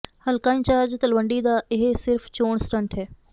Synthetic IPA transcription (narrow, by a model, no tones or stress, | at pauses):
hɐlkaːĩnt͡ʃaːd͡ʒt̪ɐlʋə̃ɳɖid̪aːʔɪɦesɪɾft͡ɕoːɽ̃sʈə̃ɳʈʰɦɛː